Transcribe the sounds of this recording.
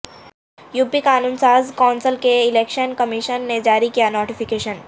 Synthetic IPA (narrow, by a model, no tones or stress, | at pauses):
juːpːikaːnuːnsaːzkɔːnsəlkeɪleːkʃənkɐmɪʃənːed͡ʒaːɾikijanoːʈifɪkeːʃən